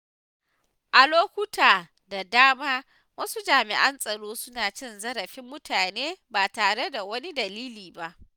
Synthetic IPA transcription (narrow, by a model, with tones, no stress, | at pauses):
ʔa˨loː˦kʷʊ˦tʰaː˨ | da˨daː˦maː˦ | wɐ˦su˦d͡ʒaː˨mɪ̰˨ʔɐ˦nsʼɐ˨ɽoː˦sʊ˦naː˨t͡ʃɪ˦nzɐ˦ɾɐ˨ɸɪ˦mːʊ˦tʰaː˨neː˦ba˨taː˨ɽe˦da˨wɐ˦ni˦dɐ˨liː˦liː˨ba˦ʔ